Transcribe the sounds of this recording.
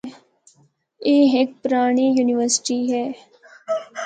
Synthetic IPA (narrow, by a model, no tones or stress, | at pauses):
eːɦek̚pɾaːɳ̃iːjuːnɪʋəɾsʈiːɦɛː